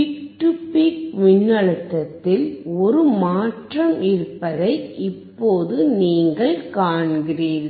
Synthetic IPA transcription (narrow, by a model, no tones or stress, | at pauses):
ɪkʈːɯpikʋɪnːɐɭɯt̪ːɐt̪ːɪlɔɾɯmaːʈrɐmɪɾɯpːɐðɐɪɪpːoːðɯniːŋɡɐɭkaːɳɡɪriːɾ